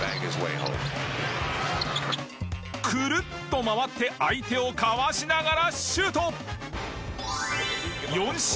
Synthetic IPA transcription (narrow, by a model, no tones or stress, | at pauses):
æ̰̃ŋkɪzwḛɪɦõ̰ʊ̃m | kʰɯ̟ɾɯ̟t̪ːo̞maβat̪ːe̞ʔait̪e̞o̞kaβaɕinaɡaɾaɕɨːt̪o | jõ̞ɕ